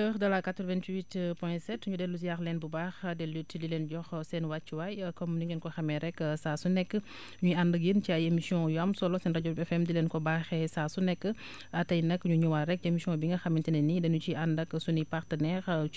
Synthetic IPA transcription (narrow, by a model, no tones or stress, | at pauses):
tɛxdɐlakatɾvɛntwitpɔɛ̃sɛtuɲudɛlːus̬ijaxlɛnbubaxdɛlutdilɛnɟɔxsɛnwat͡ʃːiwajkɔmnuŋɡinkɔxɐmɛɾɛkːsaːsunɛkːə | ɲuandɐkjənt͡ʃiajemisiɔ̃jamsɔlɔsɛnɾɐɟɔbɛfɛmdilɛnkɔbaːxɛsaːsunɛkːə | atɐjnɐkːɲuɲuwaɾɛk̚emisiɔ̃biŋɡɐxɐmintɛnɛnidɛnut͡ʃiʔandɐkːsunipaɾtənɛɾ